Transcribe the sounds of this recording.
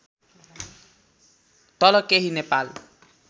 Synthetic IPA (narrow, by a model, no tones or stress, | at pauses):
t̪ʌlʌkeɦinepal